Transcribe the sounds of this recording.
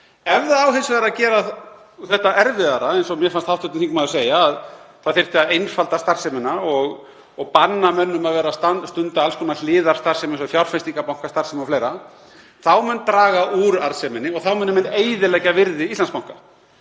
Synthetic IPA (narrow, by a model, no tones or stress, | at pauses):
ɛvðaawɦensvɛɾacɛːɾa | θɛht̪aʔɛɾvɪðaɾaejnsɔmjɛfanst̪hawht̪ʏt̪nθiŋkmaðseːjaːðθaðθɪr̥t̪ɪaðejnfalt̪ast̪ar̥sɛmɪnaɔɣ | ɔɣpanːamɛnːʏmaðvɛːɾast̪anst̪ʏnt̪aalskʰɔnal̥ɪːðaɾ̥st̪ar̥sɛmɪnsɔfjawr̥fɛnst̪iŋkapawŋ̥kast̪ar̥sɛmɪɔflejɾa | θawmɛnːt̪ɾaːɣaʔuɾaɾsɛmɪnːɪɔɣθawmɛnːmɛnːeːjðɪlɛːcavɪɾðɪist̪lanspawŋka